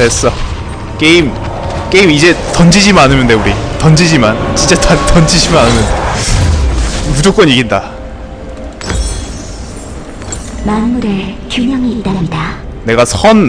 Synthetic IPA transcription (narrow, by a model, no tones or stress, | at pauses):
es͈ʌ | k͈eim | k͈eimid͡ʑe̞tʌnd͡ʑid͡ʑimɯnanɯmjɯnde̞uɾitʌnd͡ʑid͡ʑimant͡ɕint͡ɕ͈atʰatʌnd͡ʑid͡ʑimɯnanɯnɯnde | mud͡ʑok͈ʌɲiɡinda | manmːuɾekjumjʌŋiːdananda | ne̞ɡasʰʌn